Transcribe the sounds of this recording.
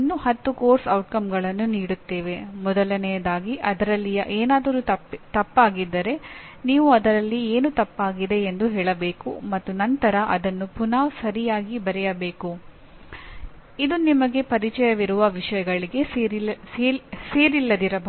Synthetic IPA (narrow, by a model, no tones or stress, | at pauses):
nːuhɐt̪ːuko̞ːɾsɐwʈkɐmɡɐɭɐnːuniːɽut̪ːe̞ːʋe̞mɔd̪ɐlɐnɛjɐd̪aːɡiʔɐd̪ɐɾɐlːijɐʔeːnaːd̪ɐɾut̪ɐpːaːɡid̪ːɐɾe̞ | niːʋuɐd̪ɐɾɐlːieːnut̪ɐpːaːɡid̪e̞ːnd̪uɦɛːɭɐbe̞ːkumɐt̪ːunɐnt̪ɐɾɐʔɐd̪ɐnːupunaːsɐɾijaːɡibɐɾɛjɐbe̞ːku | id̪unimɐɡe̞pɐɾit͡ʃɛjɐʋiɾuʋɐʋiʂɐjɐɡɐɭiɡe̞ | eseːɾilːɐd̪iɾɐbɐ